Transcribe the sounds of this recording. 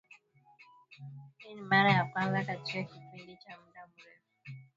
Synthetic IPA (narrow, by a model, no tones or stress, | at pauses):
ninimaɾajakwanzakat͡ʃiɛkipindit͡ʃam̩damuɾɛfu